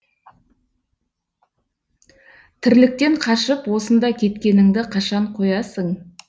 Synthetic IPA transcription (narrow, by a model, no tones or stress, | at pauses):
t̪ʰɪɾlɪk̚t̪e̞ɴqʰɑʃəpwo̞sənd̪ɑkʲʰe̞t̪kʲe̞nɪŋd̪ɪqʰɑʃɑɴqʰo̞jɑsəɴ